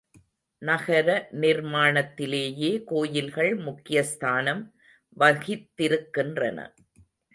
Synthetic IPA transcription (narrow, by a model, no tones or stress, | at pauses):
nɐɣɐɾɐnɪɾmaːɳɐt̪ːɪleːjeːkoːjɪlɣɐɭmʊkːɪjɐst̪ʰaːnɐm | ʋɐɣɪt̪ːɪɾɯkːɪndrɐ̰nɐ̰